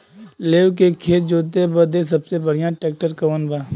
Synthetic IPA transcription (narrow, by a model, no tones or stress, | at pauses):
leːʊkeːkʰeːd͡ʒoːt̪eːbəd̪es̬əbseːbəɽ̤ɪjãːʈeːk̚ʈəɾkəʋəːnbaː